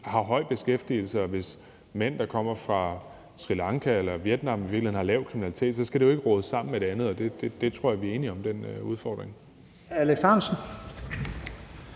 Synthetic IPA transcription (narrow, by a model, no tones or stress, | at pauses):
hɑ̈ɦɒ̽ɪ̰b̥e̝sɡ̥efd̥ḭːl̩səɒ̽ʋe̝s | men̰d̥ɑ̈kʰɒ̽m̰ɐfʁɑ̈ | sʁilɑ̈ŋkʰæelɐʋjed̥nɑ̈miʋiɐɡ̥lehen̩hɑ̈lɛːʊ̥kʰʁiminæli̥t͡sʰe̝̰ːd̥sɒ̽sɡ̥æd̥e̝joe̝ɡ̥əʁɔ̽ːðˠəsɑ̈m̰n̩med̥eænð̞̩ˠɒ̽d̥e̝d̥e̝d̥e̝t͡sʰʁo̝ɐ̰jɑɐʋiɐe̝ːniɒ̽md̥enuð̞ˠfɒːd̥ʁeŋ | æleɡ̥sɑnsn̩